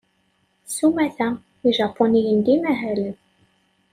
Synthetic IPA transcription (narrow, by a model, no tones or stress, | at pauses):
sumæθæ | iʒɑpʰːonijənd̪imæɦælə